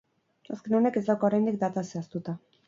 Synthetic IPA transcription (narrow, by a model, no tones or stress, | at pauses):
eskenone̞ke̞zd̪awkooɾajnd̪ik̚d̪at̪aseast̪ut̪a